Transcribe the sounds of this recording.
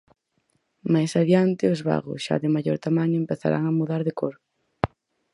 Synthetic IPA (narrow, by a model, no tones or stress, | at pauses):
majsaðjant̪ɪʊzβa̰ɣʊ̰sʃa̰ðɪmaʎo̰ɾt̪amaɲʊempeθa̰ɾʔa̰ŋamuðaɾðɪkoɾ